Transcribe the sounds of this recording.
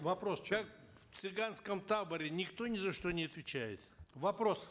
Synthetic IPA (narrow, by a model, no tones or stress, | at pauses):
vɐpɾoskak | ft̪sɨɡanskəmt̪abəɾʲɪnʲɪkt̪o̞nʲɪzɐʂt̪onʲɪɐt̪vʲɪt͡ɕæjɪ̰t̪vɐpɾos